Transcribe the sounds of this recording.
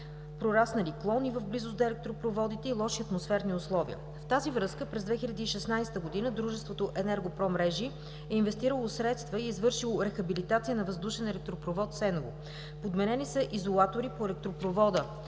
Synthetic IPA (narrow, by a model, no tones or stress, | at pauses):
pɾoɾasnɐliklˠɔnivəvblizʊsd̪ɐɛlɛk̚t̪ɾopɾovɔd̪it̪ɛilˠɔʃiɐt̪mosfɛɾniʊslˠɔvḭə̰ | ft̪azivɾɤskəpɾɛzd̪vɛxiʎʲɐd̪iːʃɛsnajsɛ̥t̪əɡod̪inəd̪ɾuʒɛst̪vot̪oʔɛnɛɾɡopɾɔmɾɛʒi | ɛinvɛst̪iɾəlˠosɾɛt̪st̪vəiːzvɤɾʃilˠoɾɛxɐbilit̪at̪sijənɐvəzd̪uʃɛnɛlɛk̚t̪ɾopɾovɔt̪sɛnɡo̰ | pod̪mɛnɛnisəʔizolˠat̪oɾipoɛlɛk̚t̪ɾopɾovɔd̪ə